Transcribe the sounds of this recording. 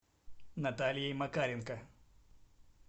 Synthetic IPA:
nɐt̪aːlijɐjmɐkaːɾʲinkɐ

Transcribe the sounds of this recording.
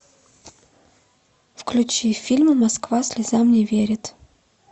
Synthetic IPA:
fklʲʉt͡ɕifʲilʲməmɐskvasʲlʲɪzamnʲɪvʲeɾʲɪt̪

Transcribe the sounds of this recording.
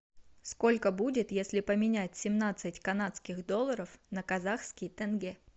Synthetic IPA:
sko̞lʲkəbudʲɪt̪jesʲlʲɪpəmʲɪnʲætʲsʲɪmnat̪sɨtʲkɐnat̪skʲɪxd̪o̞lˠːəɾəfnəkɐzaxskʲɪjt̪ɛnɡʲɛ

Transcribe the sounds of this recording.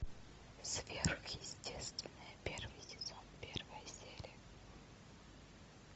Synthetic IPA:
svʲerxjɪsʲtʲest̪vʲɪnəjəpʲervɨjsʲɪzonpʲervəjəsʲelʲɪ

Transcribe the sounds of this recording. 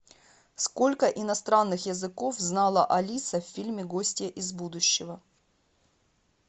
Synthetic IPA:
sko̞lʲkəʔɪnɐst̪ɾanːɨxjəzɨkofznɑlˠəʔɐlʲisəfːʲilʲmʲɪɡosʲtʲjəʔɪzbud̪ʊɕːɪvə

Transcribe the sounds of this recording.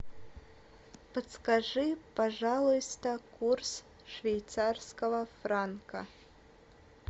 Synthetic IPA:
pət̪skaʐɨpɐʐalˠʊjst̪əkurs | ʂvʲejt̪sarskəvəfɾankɐ̰

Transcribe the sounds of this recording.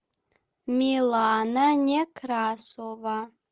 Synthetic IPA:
milananʲekʰrasova

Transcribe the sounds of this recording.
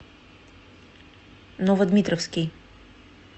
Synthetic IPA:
nɔvəd̪mʲit̪ɾɔfskʲij

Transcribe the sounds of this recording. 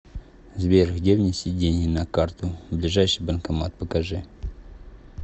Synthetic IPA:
zvʲeɾxdʲevnʲɪsʲidʲenʲɪnɐkart̪ʊblʲɪʐajʂɨjbənkɐmat̪̚pəkɐʐɨ

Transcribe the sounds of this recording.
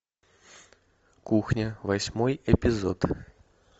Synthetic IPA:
kuxnʲəvɐsʲmojɛpʲɪzo̰t̪

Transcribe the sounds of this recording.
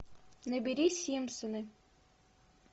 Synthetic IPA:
nɘ̆bʲiɾʲisʲimsonɘ

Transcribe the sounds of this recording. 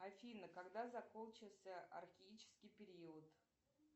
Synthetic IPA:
afʲinəkaɡd̪azakolt͡ʃɪlˠsʲəʔɐ̰rxʲɪit͡ʃɪ̥skʲijpʲeɾʲiɔt̪

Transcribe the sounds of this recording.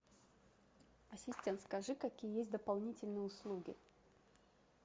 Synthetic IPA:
ɐsʲɪsʲtʲe̞nt̪skɐʐɨkɐkʲijəjesʲt̚ʲd̪əpɐlˠnʲitʲɪlʲnɨjəʊslˠuɡʲɪ̰

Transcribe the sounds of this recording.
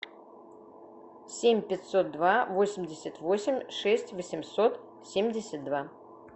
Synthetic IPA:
sʲemʲpʲɪt̪so̞t̪̚d̪vavo̞sʲɪmʲdʲɪsʲət̪vo̞sʲɪmʲʂɛsʲtʲvəsʲɪmsot̪ | sʲemʲdʲɪsʲət̪̚d̪va

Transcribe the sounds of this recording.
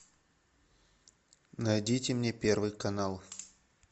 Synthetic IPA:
najdʲitʲɪmnʲe̞pʲe̞rvɨjkɐnalˠ

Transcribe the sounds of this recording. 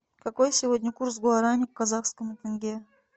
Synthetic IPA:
kɐkojsʲɪvodʲnʲəkursɡʊɐɾanʲɪkkɐzaxskəmɨt̪ɨnɡʲe

